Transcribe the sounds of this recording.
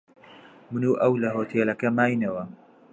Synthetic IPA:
mɨnuːʔɐwlɐɦoːt̪ʰeːlɐkɐmaːjnɐwɐ

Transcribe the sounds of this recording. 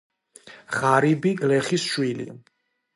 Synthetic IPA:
ʁaɾibiɡlɛχisʃwilḭ

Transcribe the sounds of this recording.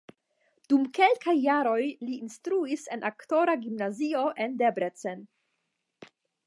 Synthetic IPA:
d̥umke̞lkajːaɾo̞jliːnstɾuise̞nʔakto̞ɾaɡimnazio̞ʔe̞ndebɾet͡sen

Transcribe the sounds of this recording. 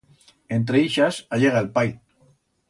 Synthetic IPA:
ent̪ɾeiʃasaʎeɣ̞aelpaj

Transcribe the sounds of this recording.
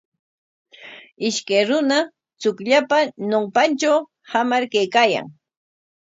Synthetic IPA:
ɪʃkajɾʊna | t͡sʊkʎapanompant͡ʃaw | hamaɾkajkaːja̰ŋ

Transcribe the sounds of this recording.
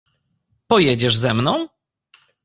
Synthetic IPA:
pɔjɛd͡ʑɛʐzɛmnɔ̃w̃

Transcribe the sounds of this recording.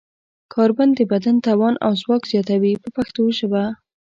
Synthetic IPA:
kʰɑɾband̪d̪əbad̪ant̪ɑwɑnʔa̰wzwɑkz̥jɑt̪awipəpaxt̪oʒəba

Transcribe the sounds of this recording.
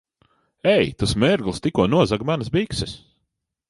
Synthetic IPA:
ɛjt̪asmɛɾɡlˠst̪ikuɔnuɔzaɡmansbiksɛs

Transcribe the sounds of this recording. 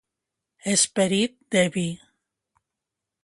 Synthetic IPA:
espeɾit̪̚d̪eβi

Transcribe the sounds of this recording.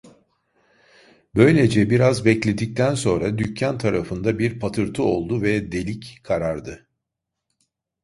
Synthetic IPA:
bø̞jlʲe̞d͡ʒɛbiɾazbɛclʲe̞d̪ic̚t̪ʰænso̞nɾad̪ycʰːant̪ʰaɾafɯnd̪abiɾpʰat̪ʰɯɾt̪ʰɯo̞lˠd̪uvɛd̪e̞lʲickʰaɾaɾd̪ɯ

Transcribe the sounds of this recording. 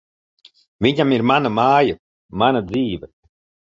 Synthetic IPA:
viɲamiɾmanamaːja | manad̪ziːvə

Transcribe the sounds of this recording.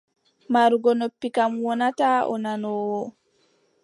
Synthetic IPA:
maɾuɡɔnopːikamwɔnataʔɔ̰nanɔwɔ

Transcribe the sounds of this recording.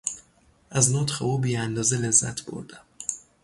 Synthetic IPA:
ʔæznɒːt̪χeuːbiːænd̪ɒːzele̞zːæ̰t̪ʰb̥o̰ɾd̪æm

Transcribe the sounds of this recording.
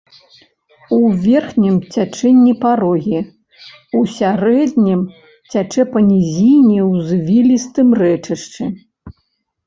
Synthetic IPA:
uvʲɛrxnʲimt͡sʲat͡ʂɛnʲːipaɾɔɣʲi | usʲaɾɛd̪nʲim | t͡sʲat͡ʂɛpɐnʲizʲijnʲiwzvʲilʲist̪ɨmrɛt͡ʂɐʂt͡ʂɨ

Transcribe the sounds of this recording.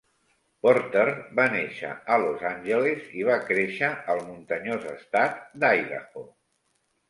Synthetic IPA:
pɔɾt̪erbaneʃə̰əlozanʲʒəleziβ̞akɾeʃəəlˠmunt̪əɲozəst̪at̪̚d̪ajɾə̰xo

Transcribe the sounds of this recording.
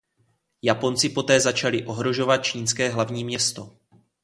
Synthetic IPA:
japo̞nt͡sɪpo̞t̪ɛːzat͡ʃalɪʔo̞ɦɾo̞ʒo̞vat̪̚t͡ʃiːnskɛːɦlavɲiːmɲɛst̪o̞

